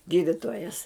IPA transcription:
ˈɡʲiːdʲɪtoːjɛs

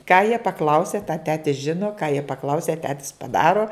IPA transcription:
kɑː jiɛ pɐˈklˠɐʊsʲɛ tɑː ˈtʲæːtʲɪs ˈʒʲɪnoː kɑː jiɛ pɐˈklˠɐʊsʲɛ ˈtʲæːtʲɪs pɐˈdɑːroː

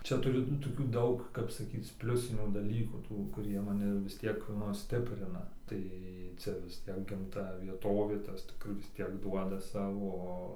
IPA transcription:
ˈt͡ʃʲɛ ˈtʊrʲɪ nʊ toːˈkʲuː ˈdɐʊk kɐp sɐˈkʲiːt͡s ˈpʲlʲʊsʲɪnʲuː dɐˈlʲiːkuː ˈtuː kʊˈrʲiɛ mɐˈnʲɪ ʋʲɪs ˈtʲiɛk ˈnʊ ˈsʲtʲɪpʲrʲɪnɐ ˈtɐɪ ˈt͡sʲɛ ʋʲɪs ˈtʲiɛk ˈɡɐmtɐ ʋʲiɛˈtoːʋʲeː ˈtɐs ˈkʊr ʋʲɪs ˈtʲiɛk ˈduɔdɐ ˈsɑːʋoː ˈoː

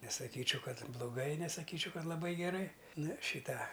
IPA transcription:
nʲɛsɐˈkʲiːt͡ʃʲɛʊ ˈkɐt blˠʊˈɡɐɪ nʲɛsɐˈkʲiːt͡ʃʲɛʊ ˈkɐt lˠɐˈbɐɪ ɡʲɛˈrɐɪ ˈnʊ ˈʃʲiː ˈtɑː

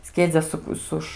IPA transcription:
ˈsʲkʲiɛd͡zʲɛ ˈsʊk ˈsʊʃ

